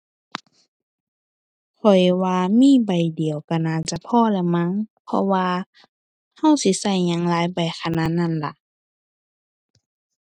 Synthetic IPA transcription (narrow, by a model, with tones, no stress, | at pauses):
kʰɔ˨˩jwaː˧miː˧˥˨ba˨˩jdi˨˩əwka˧˩naː˧˩t͡ɕa˧˨pʰɔː˧˥˨lɛ˧ma˧˥˨ŋpʰɔ̰˧waː˧ | ha˧˩˨wsi˧˦sa˧˩jɲa˧˥ŋlaː˨˦jba˨˩jxʰa˧naː˧˥˨na˧˥˨nla˧˦ʔ